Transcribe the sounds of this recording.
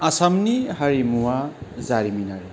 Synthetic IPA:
asamnihaɾimuwazaɾiminaɾi

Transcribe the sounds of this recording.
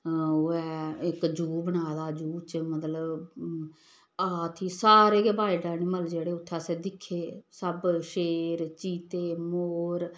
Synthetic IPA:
oːɛːɪkd͡ʒuːbəɽaːd̪aːd͡ʒuːt͡ʃmət̪ləb | aːt̪ʰiːsaːɾeːkeːbaːiɖaːniməld͡ʒeːɽeːʊt̪ʰːaːseːd̪ɪkʰːeːsəbʃeːɾt͡ʃiːt̪eːmoːɾ

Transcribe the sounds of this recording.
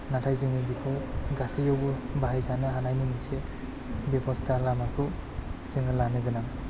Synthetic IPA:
natʰajzɯŋibikʰuɡasijɔwbubaɦajzanɯɦanajnimise | bepʰɔstʰalamakʰɯz̥iŋɯlanɯɡɯnaŋ

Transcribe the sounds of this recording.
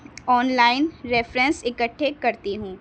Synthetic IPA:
ɔːnlaːɪnɾɛːfɾɛ̃nsɪkəʈʰːekɐɾt̪iɦũː

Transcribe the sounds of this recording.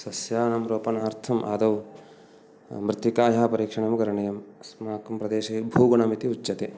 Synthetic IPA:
sɐsjaːnɐmɾoːpɐnaːɾt̪ʰɐmʔa̰ːd̪ɐw | mɾɪt̪ʋikaːjaːpɐɾiːkʂɐɳɐmkɐɾɐɳɐjɐmsmaːkɐmpɾɐd̪eːʃɐbʱuːɡuɳɐmit̪iut͡ʃːɐt̪eː

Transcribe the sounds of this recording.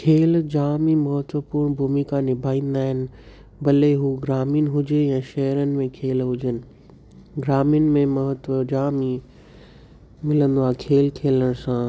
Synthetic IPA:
kʰeːld͡ʑaːmimɐɦət̪ʋəpuːɾɳ̃bʱumikanɪbʱaːĩːn̆d̪aːɦɪnɪ̆ | bɐleɦuɡɾaːmijnɪɦʊd͡ʑeɛ̃ːʃɐɦɾənɪ̆mẽkʰeːlɦʊd͡ʑənɪ̆ | ɡɾaːmijʊnɪ̆mẽmɐɦət̪ʋəd͡ʑaːmi | mɪlə̃nd̪oaːekʰeːlkʰeːləɽ̃sã

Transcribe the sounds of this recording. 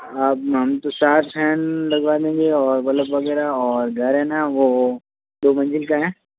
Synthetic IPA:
aːp̚ɦɐmt̪osaːt̪ʰpʰɛːnlɐɡʋaːd̪ẽːŋɡeɔːɾmɐt̪ləbʋɐɡɛːɾaɔːɾɡʱɐɾɦɛ̃naʋo | d̪oːmɐ̃nd͡ʒɪlkaɦɛ̃ː

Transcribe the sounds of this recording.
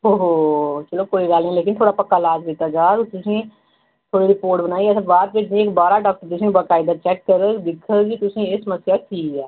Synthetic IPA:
ɦoɦot͡ʃɐlokoːiɡaːlĩleːkɪnt̪ʰoːɽapɐkːalaːd͡ʒbiːt̪ad͡ʒaːɡt̪ʊsĩ | t̪ʰoːɽiɾɪpoːɾʈbənaːiɛːsabaːt̪̚peːd͡ʒnĩeːkbaːɾaɖɔːk̚ʈəɾd͡ʒ̪ɪsĩbəkaːɪd̪at͡ʃɛːkːəɾəd̪ɪkʰəkit̪ʊsĩesəməsjakiːɛː

